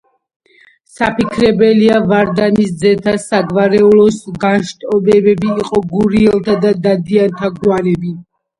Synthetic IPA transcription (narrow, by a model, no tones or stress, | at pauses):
sapʰikʰɾɛbɛliavaɾd̪anisd̪zɛt̪ʰasaɡvaɾɛulɔsɡanʃt̪ʼɔbɛbɛbiːqʼɔɡuɾiɛlˠt̪ʰad̪ad̪ad̪iant̪ʰaɡwanɛbi